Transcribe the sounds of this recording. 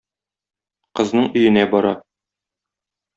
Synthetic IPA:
qɤ̆znɤɴɵ̆jɘ̆næbɒɾɑ̰

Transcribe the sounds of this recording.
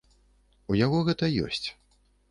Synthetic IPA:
ujaɣɔɣɛt̪ɐjɔ̰sʲt͡sʲ

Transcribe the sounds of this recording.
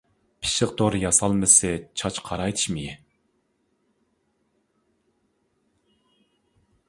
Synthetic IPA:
pʰi̥ʃɪq̚d̪oɾjɑsɑlˠmɨsɨt͡ʃʰɑt͡ʃqʰɑɾɑjt̪ʰɨ̥ʃmɪji

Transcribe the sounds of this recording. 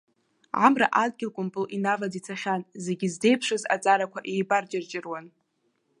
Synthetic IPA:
ʕa̰mra̰ʔad̚ɡʲɪlkʷʼʊmpʼɨlinavad͡zit͡sʰaχʲanze̞ɡʲɪzde̞jpʰʂɨza̰t͡sʼaɾakʷʰaʔejbart͡ʃʼɪrt͡ʃʼɪrwan

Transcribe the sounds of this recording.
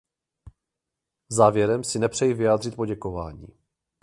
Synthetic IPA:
zaːvjɛɾɛmsɪnɛpr̝̥ɛjivɪjaːd̪r̝ɪt̪̚po̞ɟɛko̞va̰ːɲḭː

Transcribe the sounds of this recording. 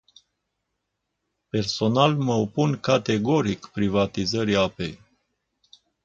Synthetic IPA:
pe̞rso̞nalməopunkat̪e̞ɡo̞ɾikpɾivat̪izəɾiape̞j

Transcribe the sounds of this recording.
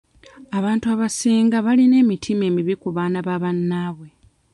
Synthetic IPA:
aβaːntuaβasiːŋɡaβaline̞ːmitʰime̞ːmiβikuβaːnaβaːβanːaːβwe̞

